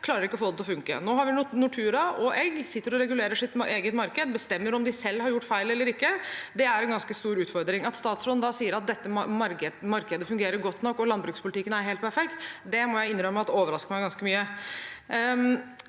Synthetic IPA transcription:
kʰlɑːɾəɾɪkːəɔfoːd̪ɛt̪ʰɔfʉŋkə̰noːɦɑɾʋɪnʊʈʰʉːɾɑʔɔʔɛɡsɪt̪ːəɾɔɾɛɡʉleːɾəʂɪt̪eːɡət̪mɑɾkəd̪bəst̪ɛmːəɾɔmd̪ɪsɛlːhɑɾjʊʈːfæɪlɛlːəɾɪkːəd̪ɛæɾɛnɡɑnskəst̪uːɾʉːt̪fɔɾd̪ɾɪŋɑt̪st̪ɑːt̪slɔnd̪ɑsiːəɾɑt̪̚d̪ɛt̪ːəmɑɾəmɑɾkəd̪əfʉŋɡeːɾəɾɡɔt̪ːnɔkːɔlɑnbɾʉːkspʰʊlɪt̪ɪkːənæɾɦeːlt̪pʰæɾfɛkt̪d̪ɛmɔjæɪɪnːɾœmːəɑt̪oːʋəɾɑskəmæɪɡɑnskəmyːə

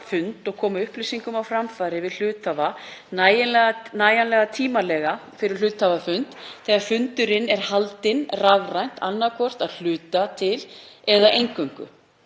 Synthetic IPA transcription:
fʏnt̪ɔɣkʰɔːmʏhplisiŋkʏmawfɾamfaːɾɪvɪðl̥ʏːt̪ʰavanajɪnlɛanaːjanlɛɣat̪ʰiːmalɛɣafɪɾɪɾ̥l̥ʏːt̪ʰːavafʏnt̪θɛːɣaɾfʏnt̪ʏɾɪnɛɾ̥halt̪ɪnraɣrajn̥t̪anːakʰɔr̥t̪aðl̥ʏːt̪at̪ʰɪlɛðaʔejŋkœŋkʏ̰

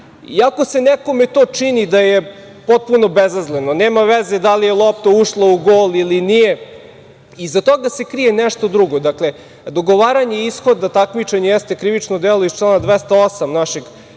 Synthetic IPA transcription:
iako̞se̞nɛko̞met̪oːt͡ʂinid̪aje | pot̪̚puno̞bezazleno̞neːmaʋezed̪alijelˠop̚t̪ouʃlˠouɡoːlilinije | izat̪oɡase̞kɾijenɛʃt̪o̞d̪ɾuɡo̞d̪akle̞ | d̪o̞ɡoʋaːɾaɲeisxo̞d̪ːat̪akmit͡ʃeɲejest̪ekɾiʋit͡ʃnod̪elˠoist͡ʃlˠaːnad̪ʋest̪aosamnaʃeɡ

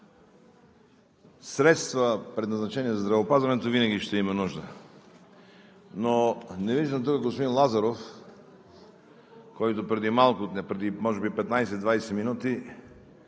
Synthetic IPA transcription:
sɾɛt̪st̪vəpɾɛd̪nɐznɐt͡ʃɛniɛzɐzd̪ɾɐvɛopazvɐnɛt̪ovinɐɡʲiʃt̪ɛimɐnuʒd̪ə | nonɛviʒd̪əmt̪ukəɡɡospod̪inlˠazɐɾof | kɔjt̪opɾɛd̪imalˠkʊnɛpɾɛd̪imɔʒɛbipɛt̪najsɛd̪vajsɛminut̪i

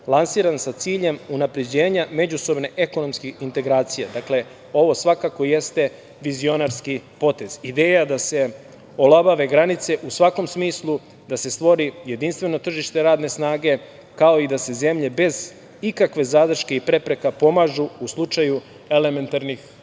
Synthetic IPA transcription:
lˠansiːɾansat̪siːʎe̞munapɾe̞d͡ʑeːɲame̞d͡ʑuso̞bne̞ʔeko̞no̞mskixint̪e̞ɡɾaːt̪sijad̪akle̞ | o̞ʋo̞sʋakako̞je̞st̪e̞ | ʋizio̞naɾskipo̞t̪e̞z̥id̪eːjad̪ase̞ | olˠabaʋe̞ɡɾanit̪se̞ʔusʋako̞msmiːslˠu | d̪ase̞st̪ʋo̞ɾije̞d̪inst̪ʋe̞no̞t̪r̩ʒiʃt̪e̞ɾaːd̪ne̞snaːɡe̞ | kao̞id̪ase̞ze̞mʎe̞be̞z | ikakʋe̞zad̪r̩ʃke̞ipɾe̞pɾe̞kapo̞maʒuuslˠut͡ʃaju | e̞le̞me̞nt̪aɾnix

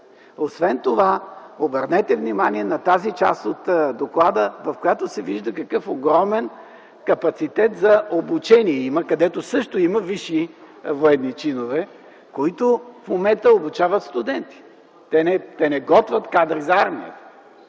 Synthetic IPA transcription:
osvɛnt̪ovaobəɾnɛt̪ɛvnimaniɛnɐt̪azit͡ʃa̰st̪ot̪d̪oklˠad̪əvɐfkojat̪osɛviʒd̪əkɐkɤfoɡɾɔmɛn | kɐpɐt̪sit̪ɛt̪zɐʔobut͡ʃɛniɛiməkɐd̪ɛt̪osɤʃt̪oimɐviʃi | voɛd̪nit͡ʃinovɛ | koit̪ofmomɛnt̪əobut͡ʃavət̪st̪ʊd̪ɛnt̪i̥ | t̪ɛnɛt̪ɛnɛɡɔt̪vɐt̪kad̪ɾizɐaɾmiə̰t̪ə̥

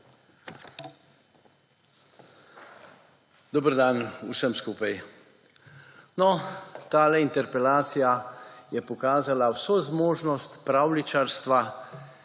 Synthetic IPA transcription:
d̪ɔbəɾd̪anusəmskuːpaj | nɔt̪aːlɛint̪ɛɾpɛlaːt̪sijajɛpɔkaːzalawsozmoːʒnɔst̪pɾawlit͡ʃaɾst̪ʋa

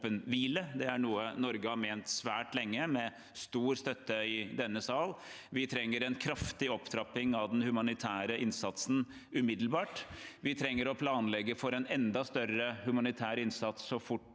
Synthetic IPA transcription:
pənʋiːləd̪ɛæɳuːənɔɾɡəhɑɾmeːnt̪sʋæːʈlɛŋːəmɛ | st̪uːɾst̪œt̪ːəɪd̪ɛnːəsɑːl | ʋɪt̪ʰɾɛŋːəɾɛnkʰɾɑft̪ɪɔpt̪ʰɾɑpɪŋɑʋd̪ɛnhʉmɑnɪt̪ʰæːɾəʔɪnsɑt̪sn̩ | ʉmɪd̪l̩bɑːʈʋɪt̪ʰɾɛŋːəɾɔpʰlɑːnlɛɡːəfɔɾɛnɛnd̪ɑst̪œɾəhʉmɑnɪt̪ʰæːɾɪnsɑt̪sːɔfʊʈː

